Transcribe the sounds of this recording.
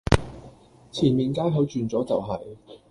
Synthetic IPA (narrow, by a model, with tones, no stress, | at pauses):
t͡sʰiː˨˩nmiː˨nkaː˥jɦɐ˨˥wt͡ʃyː˨˧nt͡sɔː˨˥t͡sɐ˨˩wɦɐ˨j